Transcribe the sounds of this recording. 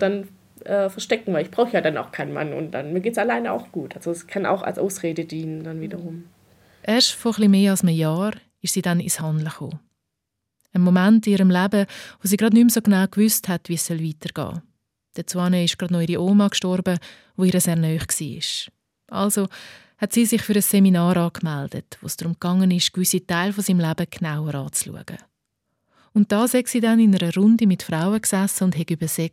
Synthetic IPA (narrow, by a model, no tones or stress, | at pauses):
d̥an | ʔɛːfɛɐʃtɛkŋ̩vaɪlɪçb̥ʁaʊxəjaːdana̰ʊxkʰaɪnma̰nʊ̰n̚d̥a̰nmiːɐɡeːtsalaɪnəa̰ʊxɡ̥uːtʔalz̥oskʰana̰ʊxa̰lsʔa̰ʊsʁeːdədiːnəndanviːdɐʁʊm | ʔɛːɐʃtfɔχlimeːɑlsməjɑːɾ | ɪʃsiːdanɪ̰shɑndləχo̰ː | ənmomɛntɪniːɾəmlabəvosiːɡɾɑdnymsoɡnaʊkvʏsthɛtvisœlviːtəɾɡ̥ɑ̰ː | d̥ət͡swɑnəɪʃɡ̥ɾɑdnɔiɾiʔoːmɑkʃtɔɾbə | ʋoiɾəsɛːnœːχksḭːɪ̰ʃ | ʔɑ̰lzo | hɛtsiːsɪχfyɾəseminɑːɾɑːkmɛld̥ə̰tvʋo̰ːsd̥ɾʊmkɑŋənɪʃkvʏsitaɪlfosiːmlæbəknaʊwəɾɑːt͡slṵəɡ̥ə̰ | ʊnt̚d̥ɑːsɛksiːdɛnɪnəɾəɾʊndimɪtfraʊəksæsːəʊndɦɛɡybəsek